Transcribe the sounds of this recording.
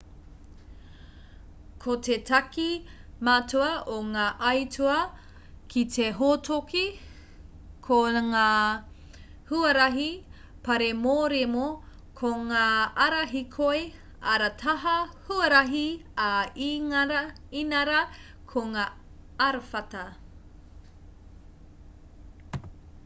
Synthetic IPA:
kʰotʰetʰɐkimatʰuɐʔoŋaːʔɐjtʰuɐ | kʰitʰeɦotʰoki | kʰoŋaː | huɐɾɐɦi | pɐɾemoːɾemo | kʰoŋaːɐɾɐɦikʰoe | ɐɾɐtʰɐɦɐhuɐɾɐɦiai | inɐɾɐ | kʰoŋaːɐɾfɐtɐ

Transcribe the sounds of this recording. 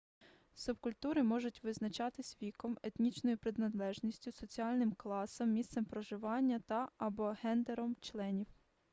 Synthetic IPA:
sʊbkʊlʲt̪uɾɪmɔʒʊtʲʋɪznɐt͡ʃɑt̪ɪsʲʋʲikɔmet̪ʲnʲit͡ʃnɔjʊpɾɪd̪nɐd̪lˠɛʒnʲisʲtʲʊsɔt͡sʲiɑlʲnɪmklˠɑsɔmːʲist̪sɛmpɾɔʒɪʋɑnʲːɐt̪ɐːbɔɦɛnd̪eɾɔmt͡ʃlˠɛnʲiw

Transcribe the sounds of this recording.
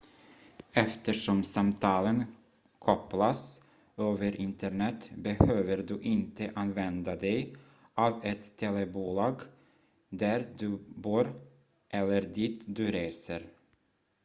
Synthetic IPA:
ɛft̪əʂɔmsamt̪ʰɑːlən | kʰɔplas | øːvəɾʔɪnt̪əɳɛt̪ːbɛhøːvəɾd̪ɵʔɪnt̪ʰəʔanvɛnd̪ad̪ɛj | ʔaːvɛt̪ʰːeːlɛbuːlɑːɡ | d̪æɾd̪ɵboːɾ | ʔɛlːəɾd̪it̪d̪ɵɾeːsəɾ

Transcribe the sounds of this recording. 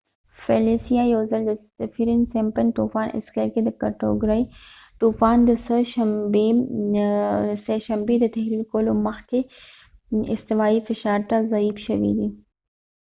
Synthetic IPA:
feliːsijajoːzɐld̪ə | ɐfiɾɪnsempɐnt̪uːfaːnʔɪ̰skɐɾked̪ɨkɐʈo̰ːɡɾɐi | t̪uːfaːnd̪əsʃ | seʃɐmbed̪ət̪ʰɐɦɾiːlkoːlomɐxk̪e | ɪ̰st̪ɪʋaːifɪʃaːɾt̪azɐiːfʃɐʋḭːd̪i

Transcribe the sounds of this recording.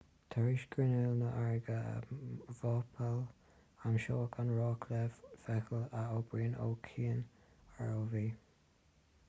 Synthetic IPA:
t̪ʰaɹiʃɡɹɪnɪlnəʔaɹɡə̰vɔːpʰəl | amʃoːəkʰanɹɑːkʰlɛvfɛxəlaoːbɹiːno̰ːkʰiːən | aɹoːviː

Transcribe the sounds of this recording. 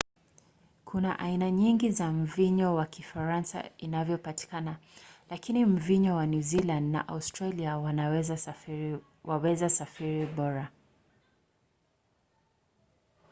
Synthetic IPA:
kʰuna̰ʔainaɲiŋɡizam̩viɲɔwakʰifaɾansa̰inavjɔpati̥kanalakinim̩viɲɔwanjuzilãndna̰ʔaustɾaliawanɛza | wawɛzasafiɾiɓɔɾa

